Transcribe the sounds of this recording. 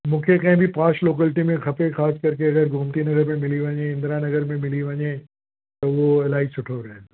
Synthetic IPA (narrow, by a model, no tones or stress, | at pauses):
mʊ̃kʰekɛ̃ːbʱipaːʃloːkɛːlʈimẽxɐpẽxaːskɐɾkeɐɡəɾɡʱʊmt̪inɐɡəɾmẽmɪliʋɐ̃ɲẽɪ̃nd̪ɾanɐɡəɾmẽmɪliʋɐ̃ɲẽ | t̪oʋoɛlaːisʊʈʰoɾɛɦẽ